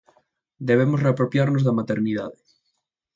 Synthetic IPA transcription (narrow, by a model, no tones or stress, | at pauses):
d̪eβ̞emosreapɾopjaɾnozðamat̪eɾnið̞aðe